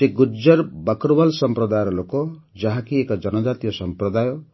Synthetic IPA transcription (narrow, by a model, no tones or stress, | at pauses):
t̪eɡud͡ʒʌɾbʌkɾbalsɔmpɾɔd̪ajɔɾɔlokɔ | d͡ʒaɦakiekɔd͡ʒʌnɔd͡ʒat̪ijɔsɔmpɾɔd̪ajɔ